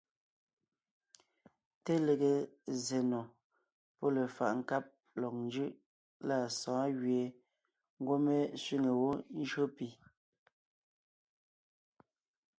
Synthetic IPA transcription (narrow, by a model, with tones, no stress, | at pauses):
te˦le˨ɣe˨ze˨nɔ˨ | pɔ˦le˨fa̰˨ʔŋ̩˨ka˦p̚ | lɔ˨k̚nd͡ʒɯ˦ʔ | la˦˨sɔ̃ː˨˦ɣɥe˨ | ŋ̩˦ɡwo˦me˦sɥi˦ŋe˨wo˦n˦d͡ʒɰo˦pi˨